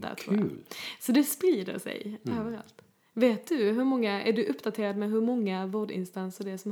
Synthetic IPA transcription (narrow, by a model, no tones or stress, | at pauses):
d̪æ̰t̪ʰɾṵːsɔd̪ɛspɾiːd̪ə̰ɾʂɛ̰jøːvəɾa̰lt̪ | veːt̪̚d̪ɵɦɵɾmɔŋːaæ̰ɖɵʔɵpːd̪at̪ʰeːɾad̪mɛɦɵɾmɔŋːavoːɖɪ̰nst̪ansəɖɛsɔm